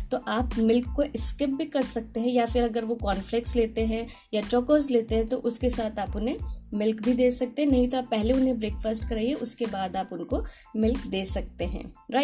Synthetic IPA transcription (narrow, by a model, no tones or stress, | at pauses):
t̪oʔaːpmɪlkːoʔɪskɪp̚bʱikɐɾsɐk̚t̪eɦɛ̃jafɪɾɐɡəɾʋokɔːnflɪk̚ʈsleːt̪eɦɛ̃ | jaʈɾoːkoːzleːt̪eɦɛ̃t̪oʔʊskesaːt̪ʰaːpʊnɦẽmɪlkbʱid̪eːsɐk̚t̪eɦɛ̃nɐɦĩt̪oaːpːɛɦleʊnɦẽbɾeːkfəsʈkɐɾaiɛʔʊskebaːd̪aːpʊnko | mɪlkd̪eːsɐk̚t̪eɦɛ̰̃ːɾaɪ